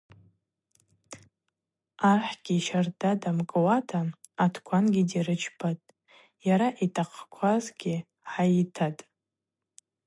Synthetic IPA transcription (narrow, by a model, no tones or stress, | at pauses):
arħɡ̥ʲiʃardadamkʼwatʰaː | tʰkʷʰanɡʲidiɾɨt͡ʃʰbatʼ | jaɾaʔitʰʼaqʰʼkʷʰazɡʲɪ | ħajitʰatʼ